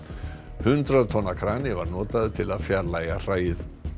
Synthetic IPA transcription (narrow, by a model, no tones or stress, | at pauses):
hʏnt̪ɾaðt̪ʰɔnːakʰɾaːnɪvaɾnɔːt̪aðʏt̪ʰɪlaðfjaɾlaːjɣar̥aːjɪθ